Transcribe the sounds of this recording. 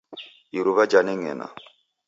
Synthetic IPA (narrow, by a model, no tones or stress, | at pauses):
iɾuβad͡ʒanɛŋɛ̰na̰